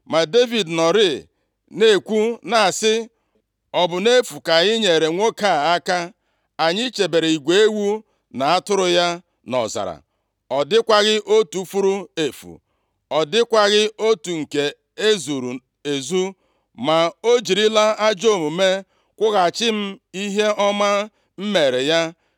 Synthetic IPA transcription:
ma˨de˦vi˨dnɔ˨ɾɪ˦ | ne˦˨kʷu˦na˨a˨sɪ˦ | ɔ˨bʊ˨ne˦fu˨ka˨ɪ˦ɲe˨ɾe˨ŋʷo˦ka˦˨a˦ka˦ | a˨ɲɪ˦t͡ʃe˨be˨ɾe˨i˨ɡʷe˨e˦wu˦ | na˨a˦tʊ˦ɾʊ˦ja˦ | nɔ̰˨za̰˨ɾa̰˨ | ɔ˨dɪ˦kʷa˦ɣɪ˦ʔo˦tu˨˦fu˦ɾu˦e˨fṵ˨ | ɔ˨dɪ˦kʷa˦ɣɪ˦o˦tu˨ŋ̩˨ke˨ | e˦zu˨ɾu˨ | e˨zu˦ | ma˨o˦d͡ʒi˨ɾi˦la˦a˦d͡ʒo˦˨mu˨me˦ | kʷʊ˦ɣa˨t͡ʃɪ˦m̩˦i˦ɦe˦ɔ˦ma˦ | m̩˦me˨ɾe˨ja˦

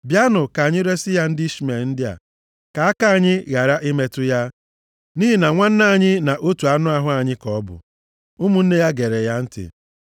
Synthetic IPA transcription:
bja˦nʊ˨ka˨ɲɪ˦ɾe˦sɪ˦ja˦n̩˦dɪ˦i˦ʃi˦me˨ln̩˦dɪ˦a̰˨ | ka˨a˦ka˦a˨ɲɪ˦ɣa˨ɾa˦ʔi˦me˦tʊ˦ja˦ | niː˦ɦi˦na˨ŋʷa˦n̩˦na˦˨ɲɪ˦na˨ʔo˦tu˨a˦nʊ˦a˦ɦʊ˦a˨ɲɪ˦kɔ˨ɔ˦bʊ̰˨ | ʊ˦mu˦n̩˦ne˦ja˦ɡe˨ɾe˨ja˦n̩˦tɪ̰˨

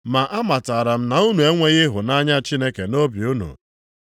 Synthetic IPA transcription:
ma˨ʔa˦ma˨ta˨ɾa˨m̩˦na˨u˦nu˨e˦ŋʷe˦ɣɪ˦ɦʊ˨na˦ɲa˦t͡ʃi˦ne˦ke˨no˦bi˨u˦nṵ˨

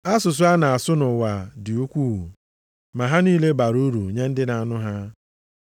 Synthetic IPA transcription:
a˦sʊ˨s̬ʊ˨˦a˦na˨a˨sʊ˦nʊ˨wa˨dɪ˨u˦kʷu˦˨u˨ | ma˨ɦa˦niː˦le˦ba˨ɾu˦ɾu˨ɲe˦n̩˦dɪ˦na˨a˨nʊ˦ɦa˦

